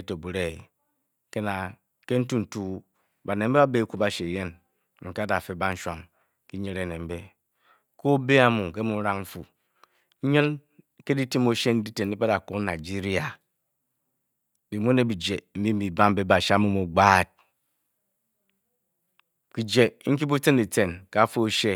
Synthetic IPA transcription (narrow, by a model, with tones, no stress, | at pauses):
to˨bu˨ɾe˦˨ | ke˦na˨ | ke˦n̩˦tu˦n̩˨tu˦ | ba˨ne˨m̩˦e˦ba˦be˦ku˦ba˦ʃe˨je˦n | ŋ̩˨ka˦da˨fe˦ba˦n̩˦ʃʷa˦˨ŋ | ki˦ɲe˦ɾe˨˦˨ne˨m̩˦be˦ | ko˦be˦a˦˨mu˨ke˦mu˨˦ɾa˦ŋm̩˦fu˨˦ | ɲɨ˦n | ke˦di˦ti˦mo˦ʃe˦n̩˦di˦te˨ni˦pa˦da˨ku˦kna˨d͡ʒi˦ɾi˦a˨ | bi˨mu˦ne˨bi˨d͡ʒe˨m̩˦bi˦m̩˦bi˨ba˦m̩˦be˦ba˨ʃa˦mu˦mu˨ɡ͡baː˦˨t̚ | ki˨d͡ʒe˨ŋ̩˦k̬i˦bu˦te˦ne˨te˨nka˨˦fo˦o˦ʃe˦